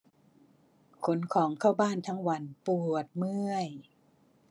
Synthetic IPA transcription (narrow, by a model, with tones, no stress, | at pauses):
kʰo˩˦nkʰɔː˩˦ŋkʰaː˥˩wbaː˥˩nt̪ʰa˦˥ŋwa˧˥npu˨˩ət̪̚mɯ˥˩əj